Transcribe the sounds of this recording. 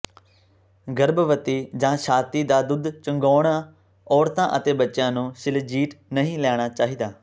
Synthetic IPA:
ɡəɾbʋət̪iːd͡ʒãːʃãːt̪iːd̪aːd̪ʊd̪t͡ʃəŋɡɔːɽ̃aː | ɔːɾt̪ãːʔət̪eːbətːʃjãːnũːʃɪld͡ʒiːʈnəɦĩːlɛːɽ̃aːt͡ʃaːɦiːd̪aː

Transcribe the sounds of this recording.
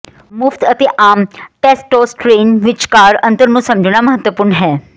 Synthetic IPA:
mʊft̪ət̪eːʔaːmʈɛːsʈoːsʈɾeːnʋɪt͡ʃkaːɾə̃nt̪əɾnũːsəmd͡ʒɽ̃aːməɦət̪wəpʊɾɳɦɛː

